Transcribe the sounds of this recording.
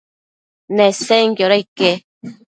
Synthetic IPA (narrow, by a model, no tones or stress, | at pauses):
neseŋkjoɾajke